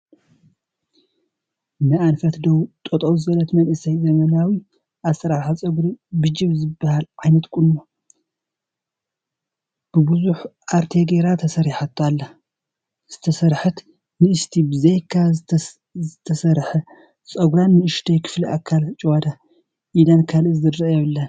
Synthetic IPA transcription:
nɨanfɐt̪d̪owt̪ʼot̪ʼowzɨɐlɐt̪mɐnʔɨsɐjzɐmɐnawi | ʔasɐɾaɾħat͡sʼɐɡɾibɨd͡ʒiβzɨbːahalʕajnɐt̪kʼuno | b̥ɨbɨzuħʔaɾt̪ʰeɡeɾat̪ʰɐsɐɾiħat̪ʰːalːɐ | z̥ɨt̪ʰɐsɐɾħɨt̪ | nɨɨʃt̪ʰibɨzejkʰːa | zɨt̪ʰɐsɐɾħɐ | t͡sʼɐɡɾanːɨɨʃd̪ʰɐjkʰɨ̥fliʔakʰːalt͡ʃʼwad̪a | ʔid̪ankʰalɨzɨd̪ɾɐjɛβɨlːɐn

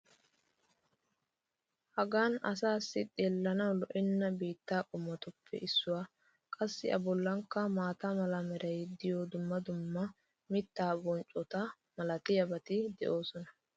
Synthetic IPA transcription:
hɐɡaːnɐs̬aːsːɪt̪ʼeːlːɐnɐwlɔʔɪnːɐbiːt̪ːaːkʼʊmːɐt̪ʊpʰːɛ̰ʔɪsːʊwaː | kʼɐsːɪʔɐbɔlːɐŋkːɐmaːt̪ɐmɐlɐmɛɾɐjd̪ɪjoːd̪ʊmːɐd̪ʊmːɐ | mɪt̪ːaːbɔnt͡ʃʼɔt̪ɐ | mɐlɐt̪ɪjɐbɐt̪ɪd̪ɛ̰ʔoːsɔnɐ̥

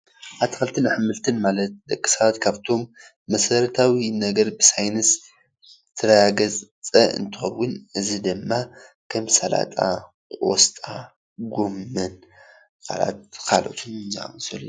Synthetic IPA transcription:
ʔaβt̪ʰi̥kʰɐlt̪ʰɨnaħɨmɨlt̪ʰɨnmalɐt̪̚d̪ɐkʼːɨ̥saβat̪kʰaβt̪ʰo̞mː | ɐsɐɾɐt̪ʰawinɐɡɐɾbɨsajnɨs | t̪ʰɨɾɐjaɡɐzt͡sʼɐɨ̰nt̪ʰɨxɐwːʊnɨzid̪ɨmːa | kʰɐmsala̰t̪ʼa̰ | kʼwɔ̰st̪ʼa | ɡomːɨn | kʰa̰la̰t̪̚kʰalo̞̰t̪ʰɨnɨnzia̰mɐsɐl

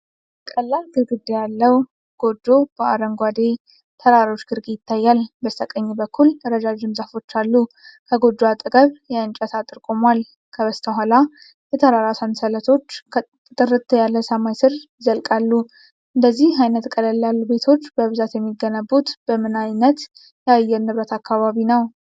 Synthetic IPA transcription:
kʼəlːalɡɨɾɡɨd̪ːejalːəw | ɡ̥o̞d͡ʒːo̞b̥əʔaɾəŋɡʷad̪e | t̪ʰəɾaɾo̞t͡ʃːɡ̥ɨɾɡejɪt̪ʰːajːalbəst̪ʰəkʼəɲːibəkʰːulɾəd͡ʒad͡ʒɪnzafo̞t͡ʃːalːu | kʰəɡo̞d͡ʒ̪ːoat̪ʼɨɡʼəβjɛɨnt͡ʃʼət̪ʰat̪ʼɨɾkʼomwal | kʰəβəst̪ʰəɦʷala | jɛt̪ʰəɾaɾasansələt̪ʰo̞t͡ʃː | t̪ʼɨɾɨt̪ʰːjalːəsəmajsɨɾ | zəlkʼalːu | ʔɨnd̪əzːihajnət̪kʼələlːalːube̞t̪ʰo̞t͡ʃːbəβɨzat̪jɛmːiɡənəbːut̪b̥əmɨnajnət̪ | jajːɛɾnɨβɾət̪ʰakːaβaβinəw

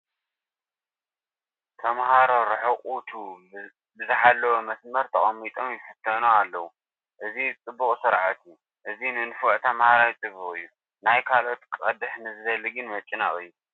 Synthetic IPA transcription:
t̪ʰɐmhaɾo̞ɾɨħɨχʼut̪ʰu | bɨzɨħalːɐwomɐsmɐɾt̪ʰɐχʼɐmːit̪ʼʰo̞mjɪħɨt̪ʰːɐnoalːɐwu | ʔɨzit͡sʼɨbːuχʼsɨɾʕat̪ʰiju | ʔɨzinɨnfɔʕt̪ʰɐmhaɾawit͡sʼɨbːuχʼɨjːu | najkʰalo̞t̪kʼɐd̪ɨħnɨzɨzɐlːɨɡɨnmɐt͡ʃʼːɪna̰χʼɨjːu

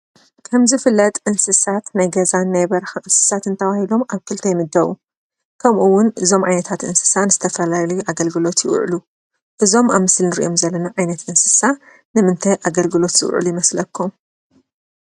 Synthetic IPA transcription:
kʰɐmzɨfɨlːɐt̪ʼʔɨnsɨsat̪najɡɐzanːajbɐɾxaʔɨnsɨ̥sat̪ɨnt̪ʰɐβahilo̞maβkʰɨlt̪ʰɐjmɨd̪ːɐβu | kʰɐmʔuwːʊnʔɨzo̞mʕa̰jnɐt̪ʰat̪ʔɨ̰nsɨ̥sanɨz̥ɨt̪ʰɐfɐlalɐjuʔaɡɐlɡɨlo̞t̪jɪʔʊ̰ʕlu | ʔɨzo̞maβmɨslnɨɾḭʔo̞mzɐlːɐnaʕajnɐt̪ʔɨnsɨ̥sa | nɨmɨnt̪ʰajʔaɡɐlɡɨlo̞t̪zɨ̰w̰ʕ̰lujɪmɐslɐkʰːum

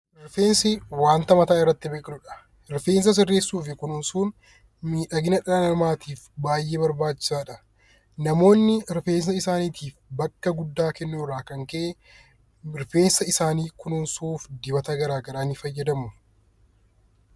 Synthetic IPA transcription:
mɪɾfe̞ːnsɪwaːnt̪ɐmɐt̪aːɪrːɐt̪ːɪbeːkʼɪnʊᶑɐ̥ | ɪɾfe̞ːns̬ɐs̬ɪrːe̞ːsːuːfɪkʊnʊnsuːn | miːᶑɐɡɪnɐᶑɐɐnɐɾmaːt̪iːfbaːjːeːbɐɾbaːt͡ʃːɪ̥saːᶑɐ | nɐmo̞ːnːɪɾfe̞ːns̬ɐɪsaːniːt̪ʰiːfbɐkːɐɡʊd̪ːaːkɛnːuːrːaːkɐŋkɐʔe | mɪɾfe̞ːnsɐɪsaːniːkʊnʊnsuːfd̪ɪbɐt̪ɐɡɐɾaːɡɐɾaːnɪfɐjːɐd̪ɐmʊ

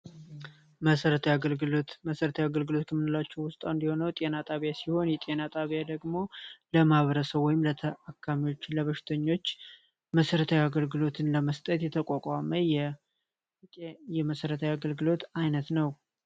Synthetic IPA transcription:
məsəɾət̪ʰajaɡəllt̪məsəɾət̪ʰawjaɡəlɡɨlo̞t̪kʰəmːɨnɨlat͡ʃːɛwʊst̪ʼaɨnd̪iho̞nəwt̪ʼe̞nat̪ʼaβjasiho̞njɛt̪ʼe̞nat̪ʼaβijad̪əɡmo̞ləmahβəɾəsəβwɔjɪmlət̪ʰəʔakʰːamiwo̞t͡ʃːləβəʃɪ̥t̪ʰəɲːo̞t͡ʃː | məsəɾət̪ʰajaɡəlɡɨlo̞t̪ʰɨnləməst̪ʼət̪jɛt̪ʰəkʼakʼaməjɛ | jɛməsəɾət̪ʰajaɡəlɡɨlo̞t̪ajnət̪nəw

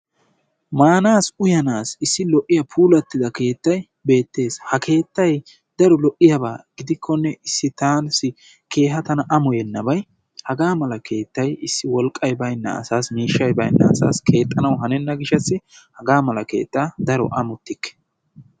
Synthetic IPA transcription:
maːnaːsʊjɐnaːsɪsːɪlɔʔːɪjɐpʰuːlɐt̪ːɪd̪ɐke̞ːt̪ːɐj | be̞ːt̪ːe̞ːshɐkʰe̞ːt̪ːɐj | d̪̥ɐɾɔlɔʔːɪjɐbaːɡ̥ɪd̪ɪkʰːɔnːɛʔɪsːɪt̪aːnsɪ | ke̞ːɦɐt̪ɐnɐʔɐmɔjɛnːɐbɐj | hɐɡaːmɐlɐkʰe̞ːt̪ːɐjɪsːɪwɔlkʼːɐjbɐjnːɐ̰ːsaːsmiːʃːɐjbɐjnːɐ̰ɐsa̰ːskʰe̞ːt̪ʼːɐnɐwɦɐnɛnːɐɡɪʃɐsːɪhɐɡaːmɐlɐke̞̰ːt̪ʼːaːd̪ɐɾɔ̰ʔɐmʊt̪ːɪkːɛ̥

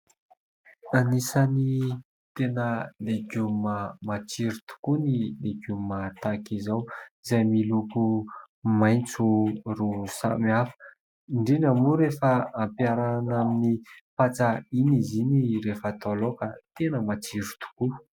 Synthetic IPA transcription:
anisani | t̪enəleɡumamat͡siɾut̪u̥kunileɡumat̪akizawizajmiluku | majnt͡surusa̰miafə̥ | iɳɖ͡ʐenamuɾefəampjaɾanaminipat͡sainiziniɾefət̪olokat̪enəmat͡siɾu̥t̪u̥ku

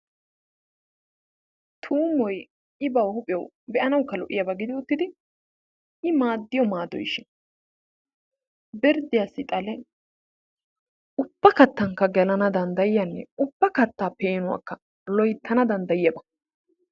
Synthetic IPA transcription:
t̪ʰuːmɔj | ɪbɐwhʊpʼɪjɔ̰w | bɛʔɐnɐwkːɐlɔʔɪjɐbɐɡɪd̪ɪʊt̪ːɪd̪ɪ | ɪmaːd̪ːɪjɔmaːd̪ɔ̰jʃːɪn | bɪɾd̪ɪjasːɪt̪ʼɐlɛ | ʔʊbːɐkɐt̪ːɐŋkːɐɡɛlɐnɐd̪ɐnd̪ɐjɪjɐnːɛ̰ʊbːɐkɐt̪ːaːpeːnʊwa̰kːɐ | lɔjt̪ʰːɐnɐd̪ɐnd̪ɐjɪjɐbɐ̥

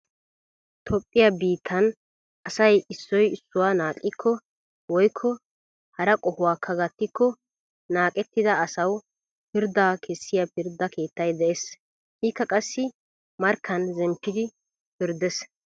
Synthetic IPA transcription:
t̪ʰɔpʼːɪjɐbiːt̪ʰːɐn | ɐsɐjɪsːɔjɪsːʊwaːnaːkʼːɪkʰːɔ | wɔjkʰːɔ | hɐɾɐkʼɔhʊwaːkʰːɐɡɐt̪ːɪkʰːɔ | naːkʼɛt̪ːɪd̪ɐɐsɐw | pɪɾd̪aːkʰɛsːɪjɐpɪɾd̪ɐkʰe̞ːt̪ːɐjd̪ɛʔɛs | hiːkːɐkʼɐsːɪ | mɐɾkʰːɐnzɛmpːɪd̪ɪ | pɪɾd̪ɛs

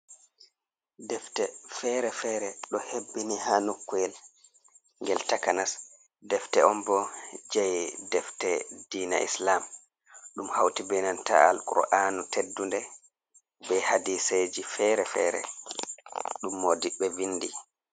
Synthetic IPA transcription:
dɛftɛfɛɾɛfɛːɾɛɗɔhebːinihanukːuɛl | ŋɡɛltakanas | dɛftɛʔɔmbɔd͡ʒajdɛftɛd̥iːna̰ʔḭslam | ɗumhawtibɛnanta̰a̰lkṵɾɔ̰ʔaːnutedːundɛ | bɛhadised͡ʒifɛːɾɛfɛ̰ɾɛ̰ | ɗumːodiɓːɛvindi

